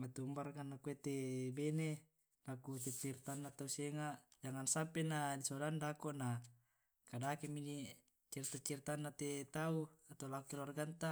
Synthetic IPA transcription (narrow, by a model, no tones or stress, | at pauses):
mat̪umbarkanːakuet̪ebene | lakut͡ʃɛt͡ʃːirt̪anːat̪auseŋaʔd͡ʒaŋansampenadisodandakona | kadakemini | t͡ʃirt̪at͡ʃirt̪anːat̪et̪auat̪alakukelarɡant̪a